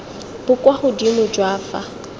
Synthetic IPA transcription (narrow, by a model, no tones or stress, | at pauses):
b̥ʊkʼwaχʊdimʊd͡ʒwaːfa̰